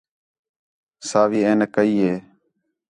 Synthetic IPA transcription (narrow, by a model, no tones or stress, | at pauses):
saːʋiːeːnekəiːɦeː